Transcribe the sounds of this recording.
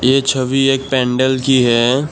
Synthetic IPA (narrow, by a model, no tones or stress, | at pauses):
jeːt͡ʃʰəʋieːk̚pɛ̃ːɳɖəlkiɦɛː